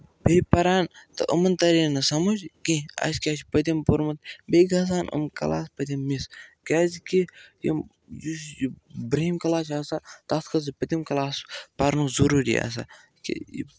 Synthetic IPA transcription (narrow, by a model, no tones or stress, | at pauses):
bepɐɾaːnt̪ɐʔumɐnt̪ɐɾinɐsɐmud͡ʒkiɐ̰skʲaːʃpɐt̪ʲimpuɾmɐt̪beːɡɐs̬aːnṵmkɐ̰la̰ːspɐt̪ʲimːiskʲaːzkijḭm | jusjbɾɐimkɐlaːt͡ʃʰɐsat̪ɐskɐz̬ipɐt̪ʲimkɐlaːspɐɾnuzuɾuːɾḭa̰s̬a̰ | kḭ